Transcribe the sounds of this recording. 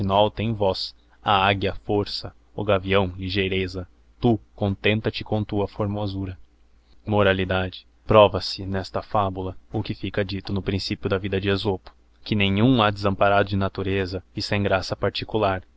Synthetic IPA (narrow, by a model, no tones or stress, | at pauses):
inawt̪ẽj̃vɔs | aaɡjɐfoɾsɐ | ʊɡaviɐ̃w̃liʒejɾezɐ | t̪ukõnt̪ẽnt̪ɐt͡ʃɪkõt̪uɐfoɾmozuɾɐ | moɾalid̪ad͡ʒɪ̥ | pɾɔvɐsɪnɛst̪ɐfabulɐʊkɪfikɐd͡ʒit̪ʊnʊpɾĩsipjʊd̪ɐvid̪ɐd͡ʒɪezopʊ̥ | kɪnẽj̃ũad̪ɪzɐ̃mpaɾad̪ʊd͡ʒɪnat̪uɾezɐɪsẽj̃ɡɾasɐpaɾt͡ʃikulaɾ